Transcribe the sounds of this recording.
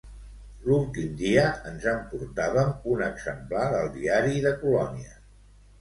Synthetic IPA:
lulˠt̪imd̪iəənzəmpuɾt̪aβəmunəɡzəmplaɾəlˠd̪iaɾiðəkulɔniə

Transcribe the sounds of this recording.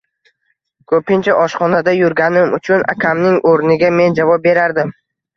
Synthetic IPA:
kʰɵpʰɪnt͡ʃʰaʔɒʃχɒnad̪ajʊɾɡʲanɪmʊt͡ʃʰʊna̰kʲʰamnɪŋoɾnɪɡʲame̞nd͡ʒavɒp̚be̞ɾaɾd̪ɪm

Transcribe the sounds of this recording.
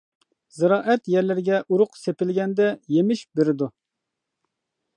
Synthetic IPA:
zɨɾɑːʔɛt̪jɛɾlɪɾɪɡʲɛʔuɾʊqsepɪlɡʲɛnd̪ɛjemɪʃbeɾɪd̪u

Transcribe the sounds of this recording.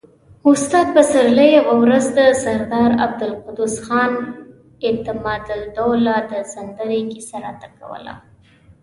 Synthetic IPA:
ʊst̪ɑd̪̚pəsaɾləjawawɾazd̪əsaɾd̪ɑɾa̰b̚d̪ʊlqʊd̪usxɑn | et̪ɪmɑd̪d̪olɑd̪əzand̪aɾiŋɡisaɾat̪aka̰wə̰la̰

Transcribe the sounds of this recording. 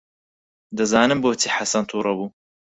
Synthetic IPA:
d̪ɐzaːnɨmboːt͡siːħasɐnt̪ʰuːɾˤɐbuː

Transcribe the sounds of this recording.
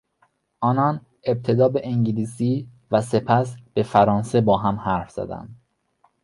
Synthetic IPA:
ʔɒːnɒn | e̞b̚t̪ʰe̞d̪ɒːbeʔeŋɟiliːsiː | væse̞pʰæsb̥e̞fæɾɒːnse̞bɒːɦæmhæɾfz̥æ̰d̪æ̰nd̪̥

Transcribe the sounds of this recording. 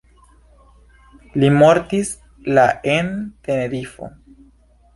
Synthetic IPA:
limoɾtis | laʔente̞ne̞ɾifo̞̰

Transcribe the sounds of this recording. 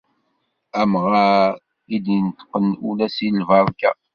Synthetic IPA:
æmʁa | id̪int̪ə̥qːənulæsilvɑɾˤkæ

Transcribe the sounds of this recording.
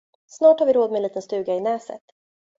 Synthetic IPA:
snɑːʈhaɾvɪɾoːd̪mɛnliːt̪ənst̪ʉ̟ːɡaɪnɛːsə̰t̪

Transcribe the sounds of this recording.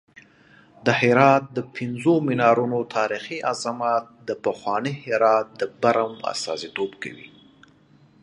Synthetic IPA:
d̪əhɪɾɑt̪̚d̪əpʰɪnzomɪnɑɾunot̪ʰɑɾixiazamɑt̪̚d̪əpəxwɑnihɪɾɑt̪̚d̪əbaɾama̰st̪ɑ̰zit̪obka̰wḭ

